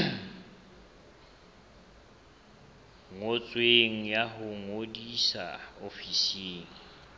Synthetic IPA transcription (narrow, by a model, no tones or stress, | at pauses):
ŋot͡sʼweŋ̩jaɦʊŋodisa̰ofiseːŋ̩